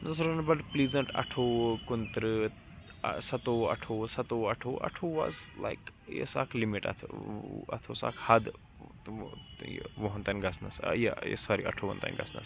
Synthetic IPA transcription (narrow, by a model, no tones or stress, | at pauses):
nɐsɾɐnbɐʈplizəɳʈɐ̰ʈʰokunt̪ɾ | sɐt̪oːɐ̰ʈʰosɐt̪oɐʈʰoːʔɐ̰ʈʰoːʋazla̰ɪk | jḛsakʰlimiʈɐ̰t̪ʰɐ̰t̪ʰosa̰khɐd̪ | j̰ʋoɦɐ̃nt̪anɡɐsnɐsjḛjḛsaɾiʔɐ̰ʈʰoːʋɐ̰nt̪a̰nɡɐ̰snɐ̰s